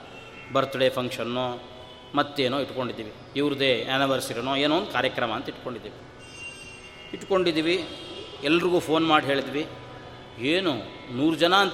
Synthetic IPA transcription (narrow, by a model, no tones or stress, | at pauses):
bɐɾt̪uɽeːpʰɐŋkʂɐnːo | mɐt̪ːueːnoːiʈko̞ɳɖid̪ːiːʋi | iʋɾud̪eːaniʋɐɾsiɾinoːeːnoːnd̪ukaːɾjɐkɾɐmɐːnt̪ɐiʈko̞ɳɖid̪iːʋi | iʈːko̞ɳɖid̪iːʋi | ɛlːɐɾiɡuːpʰo̞ːnmaːɽiɦe̞ːɭd̪iʋi | eːnu | nuːɾud͡ʒɐnaɐnt̪